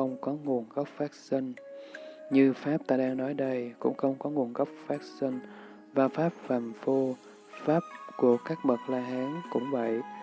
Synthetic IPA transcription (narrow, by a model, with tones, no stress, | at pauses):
ə˧wŋ͡mkɔ˨˦ŋu˨˩ənɣə˦˥wp̚vaː˦˥k̚si˧ŋ̟ | ɲɨ˧faː˦˥p̚t̪aː˧ɗaː˧ŋnɔ˨˦jɗə˧jkʊ̰˧˥ŋ͡mxə˧wŋ͡mkɔ˨˦ŋu˨˩ənɣə˦˥wk͡p̚vaː˦˥k̚si˧ŋ̟ | vaː˨˩faː˦˥p̚faː˨˩mfo˧ | faː˦˥p̚ku˧˩əkaː˦˥k̚ɓə˨˩t̚laː˧ɦaː˨˦ŋkʊ̰˧˥ŋ͡mvə̰˧˨j